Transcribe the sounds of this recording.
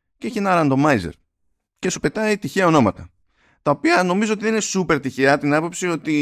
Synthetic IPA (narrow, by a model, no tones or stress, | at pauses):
ceeçie̞nɐɾɐnd̪o̞mɐizḛɾ | ce̞supe̞t̪ɐit̪içeɐo̞no̞mɐt̪ɐ | t̪ɐopiɐno̞mizoo̞t̪iðeninesupe̞ɾt̪içeɐt̪inɐpo̞psio̞t̪i